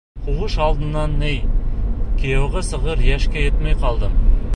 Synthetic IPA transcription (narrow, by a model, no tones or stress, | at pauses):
qʰuʁəʃɑlˠd̪ə̆nːɑnːej | kʲʰejoʁɑsə̆ʁəɾjæʃkʲejet̪mɑjqʰɑlˠd̪əm